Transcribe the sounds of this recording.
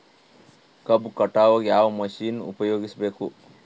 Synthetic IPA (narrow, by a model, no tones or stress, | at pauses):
kɐbkɐʈːaːʋɐɡjaːʋɐmɐʃiːnṵpɐjoːɡisɐbeːku